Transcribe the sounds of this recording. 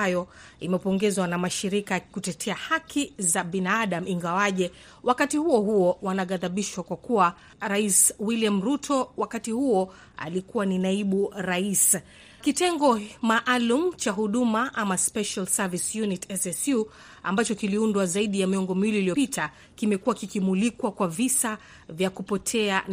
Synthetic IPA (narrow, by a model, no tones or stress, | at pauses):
ajɔimɛpɔŋɡɛzwanamaʃiɾikakutɛtʰɛahakʰizaɓinaaɗam̩iŋɡawaʄɛ | wakatihuɔɦuɔwanaɠaðaɓiʃwakwakuwa | ɾaiswiliamɾutʰɔwakatihuɔ | a̰likuwaninaiɓuɾais | kitɛŋɡɔmaʔalum̩t͡ʃaɦuɗumaʔamaspɛʃalsavisjunitʰɛsɛsju | ambat͡ʃɔkiliundwazaiɗijamiɔŋɡɔmiwiliːlijɔpitʰa | kimɛkuwakikimulikwakwavisa | vjakupɔtʰɛa